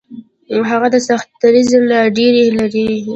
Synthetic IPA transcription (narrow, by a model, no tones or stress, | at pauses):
ɦaɣad̪əsaxt̪ːaɾizlaɖeɾelaɖeɾe